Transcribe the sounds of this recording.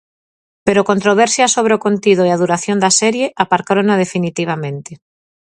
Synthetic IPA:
peɾokont̪ɾoβɛɾsjasoβ̞ɾeokont̪iðoeaðuɾaθjond̪asɛɾjeʔapaɾkaɾonað̞efinit̪iβ̞amẽnt̪e

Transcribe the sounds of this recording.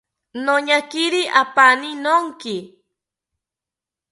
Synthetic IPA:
noɲakɪɾiʔapanɪnoŋkɪ

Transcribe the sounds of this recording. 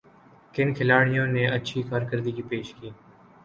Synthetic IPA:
kɪnkʰɪlaːɽɪjõːneːʔətːʃʰiːkaːɾkəɾd̪iːkiːpeːʃkiː

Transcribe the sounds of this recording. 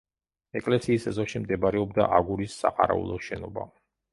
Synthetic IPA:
ɛkʼlɛsiːsɛzɔʃimd̪ɛbaɾɛɔbd̪aʔaɡuɾisːaqʼaɾaṵlˠɔʃɛnɔba̰

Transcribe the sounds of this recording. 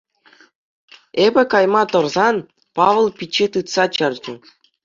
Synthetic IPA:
ebʲɘ̆kɑjmɑt̪ɤ̆rzɑn | pɑʋɤ̆lˠpʲit͡ɕːit̪ɯt̪sɑt͡ɕɤ̆rʲd͡ʑɘ̆

